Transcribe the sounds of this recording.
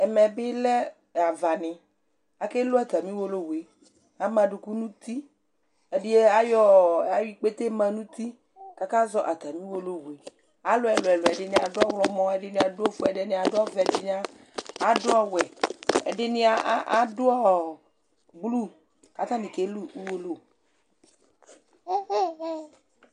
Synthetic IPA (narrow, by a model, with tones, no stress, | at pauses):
ɛ˨mɛ˨bɪ˦lɛ˦˨ | a˨va˨nɪ̃˨ | a˨ke˦lo˦a˨t̪a˨mĩ˦wo˦lo˦we˨ | a˦mã˨ɖu˨ku˦nũ˦t̪i˦ | e˨ɖɪ˦je˦a˦jɔ˦a˨wi˦k͡pe˦t̪e˦mã˨nũ˦t̪i˦ | ka˦ka˦zɔ˦ʔa˨t̪a˨mĩ˦wo˦lo˦we˨ | a˨lo˦ɛ˨lo˨ɛ˨lo˨ɛ˨ɖe˦ni˦˨a˨dʊ˦a˦wlɔ˨mɔ̃˦e˦ɖe˦nĩ˨˦a˨do˦fu˦ɛ˨ɖe˦nẽ˦a˨do˦a˦vde˦n˦a˦ | a˨˦do˦ɔ˦˨wɛ˨ḛ˨ɖe˦nĩ˦a˦ʔʔa˦do˦ɔ˦ | ɡ͡blu˦ | ka˨t̪a˦nĩ˨ke˨˦lu˦u˦wo˦lo˦